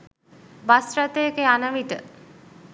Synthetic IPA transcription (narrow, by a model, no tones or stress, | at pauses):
basɾat̪eekeanaʋiʈ̪ə